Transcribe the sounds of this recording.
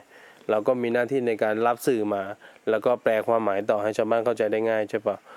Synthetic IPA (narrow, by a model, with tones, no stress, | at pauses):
ɾa˧wkɔː˥˩miː˧naː˥˩t̪ʰiː˥˩na˧jkaː˧nla˦˥p̚sɯː˨˩maː˧lɛː˦˥wkɔː˥˩plɛː˧kʰwaː˧mːaː˩˦jt̪̬ɔː˨˩ha˥˩jt͡ɕʰaː˧wbaː˥˩˨nkʰa˥˩wt͡ɕa˧jda˥˩jŋaː˥˩jt͡ɕʰa˥˩pa˦˩w